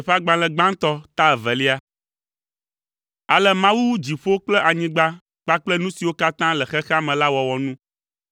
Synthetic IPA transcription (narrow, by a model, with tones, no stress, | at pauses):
ɸa˦ɡ͡bã˨lɛ˨ɡ͡bã˦ŋ˦t̪ɔ˦t̪a˦ɛ˨vɛ˨li˦a˦ | a˨lɛ˦mã˦wu˦wu˦d͡ʑi˨ɸo˦k͡plɛ˦ʔa˨ɲĩ˦ɡ͡ba˦ | k͡pa˦k͡plɛ˦nũ˦si˨wo˦ka˦t̪ã˦lɛ˨xɛ˦xa˦mɛ̃˨la˦wɔ˨wɔ˨nũ˦